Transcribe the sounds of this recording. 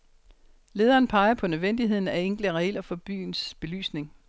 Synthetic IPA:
le̝ːð̞ˠɐːn̩pʰɑ̈ɪɐpʰɒ̽nøðˠʋen̰d̥iɦe̝ð̞̰ˠn̩æeŋ̰ɡ̥ləʁɛlɐfɒ̽b̥y̰ːnsb̥e̝ly̰ːsne̝ŋ

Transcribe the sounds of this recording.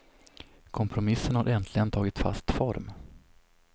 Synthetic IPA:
kʰɔmpʰɾʊmɪsːənhaɾʔɛnt̪ʰlɪɡənt̪ʰɑːɡɪt̪fa̰st̪fɔɾm

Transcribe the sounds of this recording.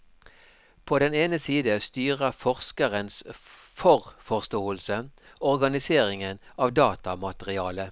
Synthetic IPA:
pʰoːd̪ɛneːnəsiːd̪əst̪yːʁəfɔʁskəʁəns | fɔʁfɔʁst̪oːəlsə | ɔʁɡɑnɪseːʁɪŋənɑːʋd̪ɑːt̪ɑmɑt̪əʁɪɑːlə

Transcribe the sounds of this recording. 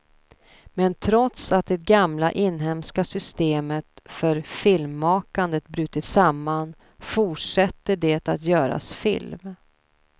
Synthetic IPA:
mɛnt̪ʰɾɔt̪sat̪̚d̪ɛt̪̚ɡamla̰ʔɪnːɦɛmskasʏst̪eːmət̪fœɾfɪlmːɑːkand̪ət̪̚bɾʉ̟ːt̪ɪsamːan | fʊʈʂɛt̪ːəɖɛt̪at̪jœːɾa̰sfɪ̰lm

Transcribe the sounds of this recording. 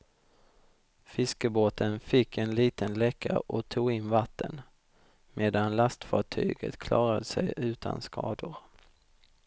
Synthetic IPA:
fɪskəboːt̪ʰənfɪkʰːɛnliːt̪ʰənlɛkʰːaɾɔt̪ʰuːɡɪnːvat̪ʰːə̰n | meːd̪anlast̪fɑːʈʰy̰ːɡə̰t̪kʰlɑːɾad̪əsɛjʉ̟ːt̪ʰa̰nskʰɑ̰ːd̪ʊɾ

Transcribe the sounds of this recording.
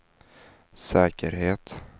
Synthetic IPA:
sɛːkəɾheːt̪

